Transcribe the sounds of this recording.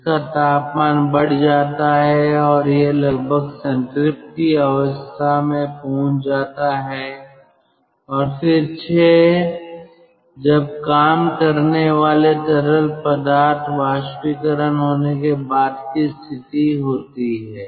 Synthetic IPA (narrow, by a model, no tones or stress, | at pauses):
ɪkat̪aːpmaːnbɐɽ̤d͡ʒaːt̪aɦɛɔːɾjelɐɡ̚bʱəɡsə̃nʈɾɪp̚ʈkiɐʋəst̪ʰamẽpõːt͡ʃʰd͡ʒaːt̪aɦɛ | ɔːɾfɪɾt͡ʃʰeː | d͡ʒɐb̚kaːmkəɾneʋaːleʈ̪əɾəlpəd̪aːɾt̪ʰʋaːʃpikəɾənɦoːnekebaːd̪kist̪ʰɪt̪iɦoːt̪iɦɛː